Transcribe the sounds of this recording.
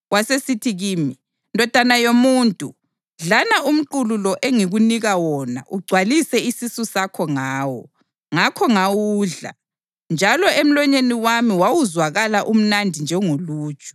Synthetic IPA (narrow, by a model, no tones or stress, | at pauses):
wasesitʰiɣiːmi | ndʱɔd̥ʱanajomuːntʼu | ɮanaʔum̩ǃululɔʔeŋiɣuniɣawɔna̰ʔuɡ͡ǀʱwalisɛisisusakʰɔŋaːwɔ̰ | ŋakʰɔŋawuːɮa̰ | nd͡ʒʱalɔem̩lɔɲeniwamiwawuzwaɣalaʔum̩nandʱind͡ʒʱɛŋoluːt͡ʃʼɔ̥